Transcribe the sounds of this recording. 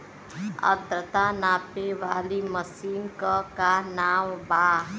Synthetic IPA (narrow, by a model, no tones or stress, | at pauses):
ə̰d̪ɾət̪anaːpeʋaːliməsiːnkəkanaːwbaːɦ